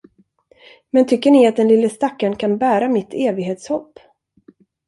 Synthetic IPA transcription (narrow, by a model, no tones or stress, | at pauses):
mɛnt̪ʰʏkːəɳɪat̪̚d̪ɛnlɪlːəst̪akːaɳkʰanbæːɾamɪt̪ʰːeːvɪɡɦeːt̪shɔpː